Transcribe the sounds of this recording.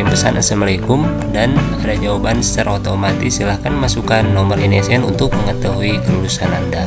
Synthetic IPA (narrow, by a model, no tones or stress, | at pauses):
impəsanʔə̰səməlikʊm | danadad͡ʒaabansə̥taɾaot̪omat̪isilahkanmasukanːomərinesiɛnunt̪ʊk̚məŋət̪aɦuikəlulusananda